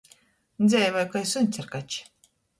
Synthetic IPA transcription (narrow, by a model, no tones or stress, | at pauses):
nzʲɛjvajkajsunʲt͡sʲaɾkat͡ʃ